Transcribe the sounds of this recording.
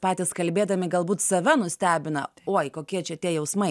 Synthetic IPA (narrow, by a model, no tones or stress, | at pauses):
pɑːt̪ʲɪskɐlʲbʲeːd̪ɐmʲɪɡɐlˠbuːt̪sɐʋʲɛnʊsʲt̪ʲæːbʲɪnɐ̰oːjkoːkʲiɛt͡ʃʲɛt̪ʲiɛjɛʊsmɐɪ